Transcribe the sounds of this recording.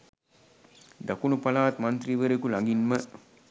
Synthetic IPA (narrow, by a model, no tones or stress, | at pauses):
d̪akunupalaːt̪mɐnt̪riʋəɾekulaŋɡinmə